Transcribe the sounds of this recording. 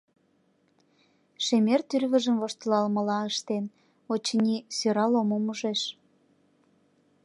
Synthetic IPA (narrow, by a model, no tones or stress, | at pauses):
ʃemert̪yrβəʒəmvoʃt̪əlɑlmə̆lɑəʃt̪en | ot͡ɕənʲisøɾɑlomomuʒeʃ